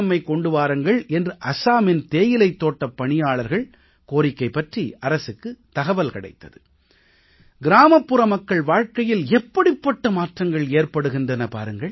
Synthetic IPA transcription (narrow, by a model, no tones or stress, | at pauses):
mːɐɪkɔɳɖɯʋaːɾɯŋɡɐɭɛndrɯʔɐsaːmɪnt̪eːjɪlɐɪt̪ːoːʈːɐpːɐɳɪjaːɭɐɾɣɐɭ | koːɾɪkːɐɪpːɐʈriʔɐɾɐsɯkːɯt̪ɐɣɐʋɐlkɐɽɐ̰ɪt̪ːɐðɯ | ɡɪɾaːmɐpːɯɾɐmɐkːɐɭʋaːɻkɐjɪlɛpːɐɽɪpːɐʈːɐmaːʈrɐŋɡɐɭeːrpɐɽɯɣɪndrɐnɐpa̰ːɾɯŋɡɐɭ